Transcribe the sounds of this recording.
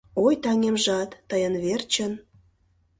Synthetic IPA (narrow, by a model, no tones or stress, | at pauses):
ojt̪ɑŋemʒɑt̪ːəjənβert͡ɕən